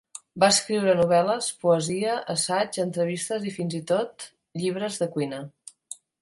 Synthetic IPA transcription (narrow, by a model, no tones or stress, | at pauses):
baəskɾiwɾənuβ̞ɛləspuəziəʔəsad͡ʒənt̪ɾəβ̞ist̪əzifinzit̪ot̪ | ʎiβ̞ɾəzðəkwinə